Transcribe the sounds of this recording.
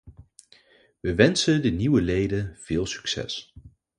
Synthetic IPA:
ʋəʋɛnsədəniwəlejdənv̥ɪːlˠsy̥ksɛ̰s

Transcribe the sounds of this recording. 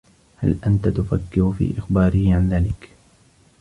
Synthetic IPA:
ha̰lʔant̪at̪ʊfakːɪɾʊfḭːʔɪxbaːɾɪhʕanðaːlɪk

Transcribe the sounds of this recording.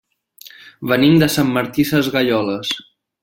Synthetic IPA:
bənimd̪əsamːəɾt̪isəzɣəʎɔləs

